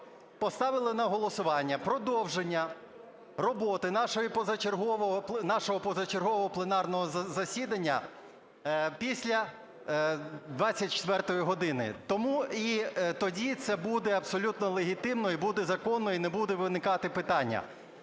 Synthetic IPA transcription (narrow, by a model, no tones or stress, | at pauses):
pɔst̪ɑʋɪlˠɪnɐɦɔlˠɔsʊʋɑnʲːɐpɾɔd̪ɔwʒenʲːɐ | rɔbɔt̪ɪnɑʃɔjipɔzɐt͡ʃerɦɔʋɔɦɔpnɑʃɔɦɔpɔzɐt͡ʃerɦɔʋɔɦɔplˠenɑrnɔɦɔzɐsʲid̪ɐnʲːɐ̰ | pʲisʲlʲɐ | d̪ʋɑt͡st͡sʲːɐt̚ʲt͡ʃɪ̥t̪ʋɛrt̪ɔjiɦɔd̪ɪnɪ̰t̪ɔmuit̪ɔdʲit̪sɛbud̪ɛɐpsɔlʲut̪nɔlˠeɦʲit̪ɪmnɔibud̪ɛzɐkɔnːɔinɛbud̪ɛʋɪnɪkɑt̪ɪpɪt̪ɑnʲːɐ̰